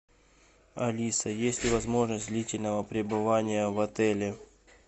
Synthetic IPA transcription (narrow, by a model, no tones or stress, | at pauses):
ɐlʲisəjesʲtʲɪvɐzmo̞ʐnəsʲd̪ʲlʲitʲɪlʲnəvəpɾʲɪbɨvanʲɪjəvɐt̪ɛlʲɪ